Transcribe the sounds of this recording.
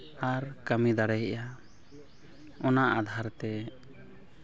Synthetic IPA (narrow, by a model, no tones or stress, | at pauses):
aɾkamid̪aɽɛjʔa | ɔnaʔad̪ʱaɾt̪ɛ